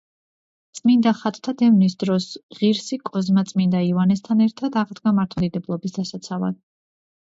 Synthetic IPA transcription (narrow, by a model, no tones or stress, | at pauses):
t̪sʼmind̪aχat̪ʼt̪ʰad̪ɛvnisd̪ɾɔsʁiɾsikʼɔzmat̪sʼmind̪aivanɛst̪ʰanɛɾt̪ʰad̪aʁd̪ɡamaɾt̪ʰad̪id̪ɛblˠɔbisd̪asat̪sʰava̰d̪̥